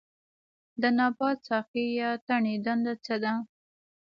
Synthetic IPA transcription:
d̪ənɑpɑt͡sɑxijɑt̪aɳed̪and̪at͡səd̪a

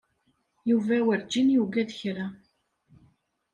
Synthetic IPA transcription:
juvæwəɾd͡ʒːinjuɡæðəçɾæ

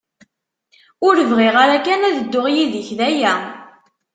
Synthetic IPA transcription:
ʊɾəvʁiʁaɾakænæðəd̪ːʊʁjiðəçðæjæ

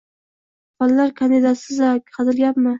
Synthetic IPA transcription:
fallaɾkʰand̪ɪd̪asɪzakʲʰqʰɑt̪ɪlɡʲapmɪ

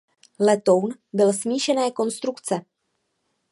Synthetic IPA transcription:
lɛt̪o̞wnbɪlsmiːʃɛnɛːko̞nst̪ɾukt͡sɛ

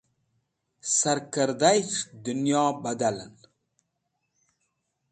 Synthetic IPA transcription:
saɾkəɾd̪ajt͡ʃd̪ʊnjɑːbad̪alən

